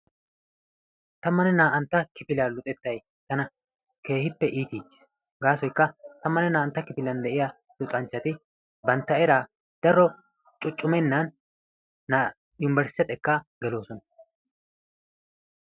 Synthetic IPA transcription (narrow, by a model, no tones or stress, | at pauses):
t̪ɐmːɐnɛnaːʔɐnt̪ːɐkɪfɪlalʊt̪ʼɛt̪ːɐj | t̪ɐnɐ | kʰe̞ːhɪpːɛʔiːt̪iːt͡ʃːɪ̥s | ɡaːsɔjkːɐt̪ɐmːɐnɛnaːɐnt̪ːɐkɪpɪlɐnd̪ɛʔɪja | lʊt̪ʼɐnt͡ʃːɐt̪ɪ | bɐnt̪ːɐɛɾaː | d̪̥ɐɾːɔ | t͡ʃʼʊt͡ʃʼːʊmɛnːɐnː | a | jʊnɪbɛɾsɪt̪ɛt̪ʼɛkːaːɡɛlo̞ːsɔnɐ